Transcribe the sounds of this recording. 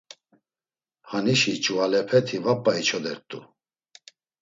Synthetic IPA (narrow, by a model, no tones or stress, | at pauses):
haniʃit͡ʃʼualɛpʰɛt̪ʰivapʼːait͡ʃʰɔd̪ɛɾt̪ʼṵ